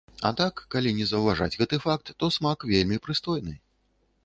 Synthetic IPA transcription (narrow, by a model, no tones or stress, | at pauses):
a̰t̪akːalʲinʲɛzɐwvaʐa̰d͡zʲɣɛt̪ɨfak̚t̪ːɔsmakvʲelʲmʲipɾɨst̪ɔjnɨ